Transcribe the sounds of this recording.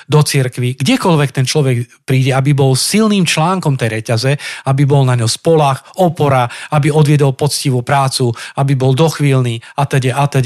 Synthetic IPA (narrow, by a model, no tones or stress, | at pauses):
d̪ɔt͡siɾkʋiɡɟɛkɔlʋɛk̚t̪ɛnt͡ʃlɔʋɛɡpɾiːɟɛabibɔlsilniːmt͡ʃlaːŋkɔmt̪ɛjɾɛcazɛabibɔlnaɲɔspɔlaːxɔpɔɾaabiɔd̪ʋɪɛd̪ɔlpɔt͡sciʋupɾaːt͡suabibɔld̪ɔxʋiːlniːat̪ɛɟɛat̪ɛɟ